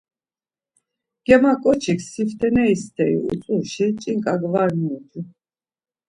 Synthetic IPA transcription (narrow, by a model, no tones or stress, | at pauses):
ɡ̥ɛmakʼɔt͡ʃʰikʰsift̪ʰʼɛnɛist̪ʰɛḭṵt͡sʼuɾʃit͡ʃʼiŋkʼaɡvaɾniːt̪ʰu